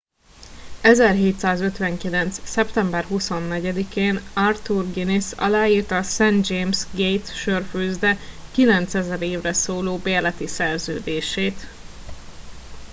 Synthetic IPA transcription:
ɛzɛrɦeːt̪saːzøt̪ʋɛŋkilɛnt̪ssɛpt̪ɛmbɛrɦuso̞nːɛɟɛd̪ikeːnɒrt̪urɡinisɒ̰laːjiːrt̪ɒsɛnd̪d͡ʒeːmsɡejt̪ʃørfyːzd̪ɛkilɛnt̪sɛzɛɾeːvrɛsoːloːbeːlɛt̪isɛrzø̰ːd̪eːʃeːt̪

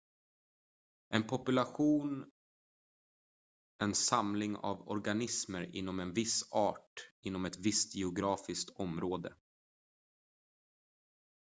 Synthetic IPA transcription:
ʔɛnpʰɔpɵlaɧuːn | ɛnsamlɪŋa̰vɔ̰ɾɡanɪsməɾɪ̰n̪ːɔmɛnvɪsɑːʈɪnːɔmɛt̪vɪst̪jɛʊɡɾɑːfɪskt̪ʰɔmɾoːd̪ə̰

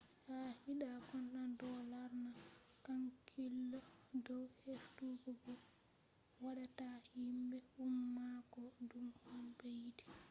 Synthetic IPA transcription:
hahiɗakɔnɗandɔlaɾna | kaŋkʰilːɔdɔwheftuɡɔbɔ | waɗatahimbɛhumːakɔdumhambejdi̥

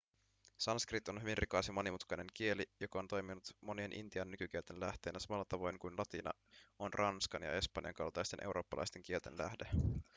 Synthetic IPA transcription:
sɑnskrit̪o̞nɦyʋinrʔikɑjsjɑmonimut̪kɑjne̞ŋk̟ie̞lijo̞kɑo̞nt̪o̞jminut̪mo̞nie̞nʔḭnt̪iɑnːykyk̟ielt̪e̞nlæht̪e̞ːnæsɑmɑlːɑt̪ɑʋo̞jŋkujnlɑt̪inɑ̰ | onrʔɑnskɑnjɑ̰e̞spɑnjɑ̰ŋkɑ̰lt̪ɑjst̪enʔe̞uwɾʔo̞ːpːɑlɑ̰jst̪e̞ŋk̟ielt̪enlæ̰hde̞

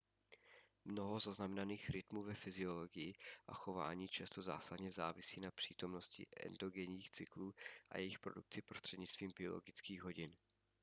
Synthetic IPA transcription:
mno̞ɦo̞zaznamɛnaniːxɾɪt̪muːvɛfɪzɪo̞lo̞ɡɪjɪʔa̰xo̞va̰ːɲiːt͡ʃast̪o̞za̰ːsadɲɛzaːvɪsiːnapr̥iːt̪o̞mno̞scɪ̰ʔɛ̰nd̪o̞ɡɛɲiːxt͡sɪkluːʔa̰jɛjɪxpɾo̞duk̚t͡sɪpɾo̞st̪r̥ɛdɲɪt͡sst̪v̥iːmbɪo̞̰lo̞̰ɡɪt͡skiːɣɦo̞ɟɪn

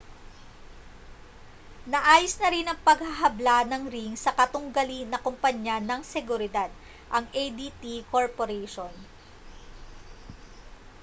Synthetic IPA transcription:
nɐʔaːjosnɐɾɪnɐŋpɐɡ̚haɦɐblanɐŋɾiŋsɐkɐt̪ʊŋɡɐlinɐkʊmpɐɲjanɐŋsɛɡʊɾɪd̪ad̪̚ | ʔɐŋʔejd̪it̪ikoɹpoɾɛjʃon

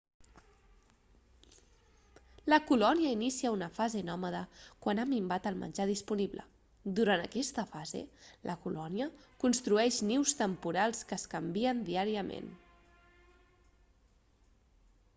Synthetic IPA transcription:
ləkulɔniəinisiəunəfazenɔməðəkwanamimbat̪əlˠmə̰nʲd͡ʒaðispuniβlə̰ | d̪uɾanəkɛst̪əfazḛlʔəkulɔniəkunst̪ɾuɛʃniwst̪əmpuɾalˠskəːskəmbiənd̪iaɾiəmḛn

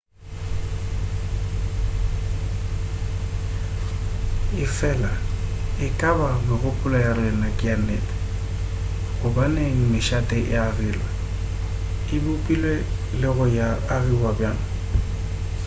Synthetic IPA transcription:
ɪfɛlaɪkʼabamɪɣʊpʼʊlajarɛnakʼɪanɛt | ɣʊbanɛŋ̩mɪʃatʼɛʔarɪla | ɪbupʼilwɛ | lɪɣʊjaːrɪwabjan

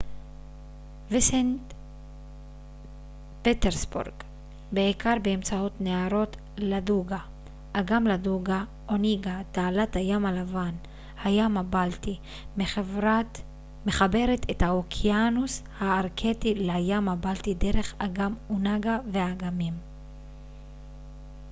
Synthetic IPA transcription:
visent | pet̪eʁsbṵʁɡ̥ | beikaʁbeːmt͡saotneaɾo̞t | laduɡa | ʔːɡamladuɡa | ʔoniɡat̪aːlathajamalavan | hajamabalt̪i | meva | meχabe̞ʁetʰethaokʰjanushaːʁkʰetilajamabaltideʁe̞χaɡamunaɡavehaɡamim

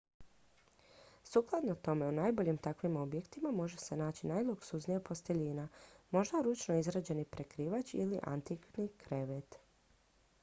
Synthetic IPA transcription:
suːklˠad̪not̪o̞me̞unaːjbo̞ʎimt̪akʋimo̞bje̞kt̪imamo̞ʒe̞se̞naːt͡ɕinajlˠuksuznijapo̞st̪e̞ʎiːnamo̞ʒd̪aɾut͡ʃnoizɾad͡ʑe̞nipɾe̞kɾiːʋat͡ɕiliʔa̰nt̪iknikʰɾe̞ʋet̪

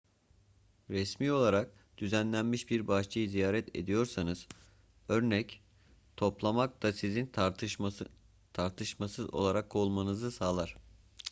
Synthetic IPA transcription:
ɾɛsmiːo̞lˠaɾak̚ | d̪̥yzænlʲænmiʃbiɾbaʃt͡ʃʰajɯzijaːɾɛt̪ʰe̞̰d̪ijo̞ɾsanɯz̥ | ø̞ɾnɛc | t̪ʰo̞plˠamak̚t̪asizin | t̪ʰaɾt̪ʰɯʃmasɯzo̞̰lˠaɾakʰːo̞lˠmanɯzɯsaːlˠaɾ̝̥

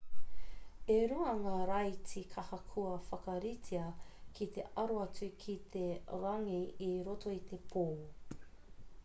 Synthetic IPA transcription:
eɾuɐŋaɾɐjt͡sikʰɐhɐkʰuɐfɐkɐɾitʰiɐkʰit̪e̞̰ʔɐɾoɐt͡sukʰit̪ʰe̞ɾɐŋiiɾotʰo̞it̪e̞pʰoː

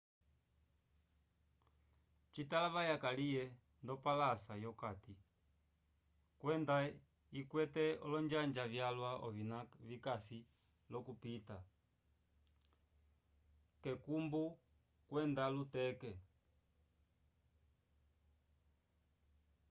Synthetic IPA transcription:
t͡ʃitalaβajakalijɛ | ndɔpalasajɔkati | kwɛnda | ikwɛtɛɔlɔɲd͡ʒaɲd͡ʒavjalwaʔɔvinavikasi | lɔkupita | kɛkumbu | kwɛndalutɛkɛ

